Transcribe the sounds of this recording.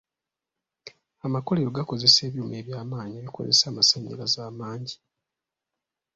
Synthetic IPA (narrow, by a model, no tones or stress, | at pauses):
amakoleɾoɡako̞ze̞se̞ːβjuːme̞ːβjaːmaːɲieβiko̞̰zḛsaːmasaɲːa̰lazaːmaːɲɟi̥